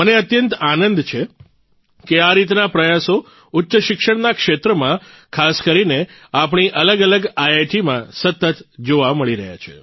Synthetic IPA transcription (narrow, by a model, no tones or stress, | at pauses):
əneət̪jənt̪anənd̪t͡ʃʰe | keaɾit̪napɾəjaso | ʊtːʃəʃɪkʃəɽnakʃet̪ɾəmã | kʰaskəɾineapɳ̃iʔələɡələɡajeʈimãsət̪ət̪d͡ʒoʋaməɭiɾə̰ɦja̰t͡ʃʰḛ